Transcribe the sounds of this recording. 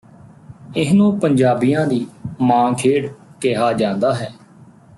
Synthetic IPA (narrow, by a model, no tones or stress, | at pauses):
ɪɦnũːpəɲd͡ʒaːbijãːd̪iːmãːkʰeːɽkeɦaːd͡ʒãːnd̪aːɦɛː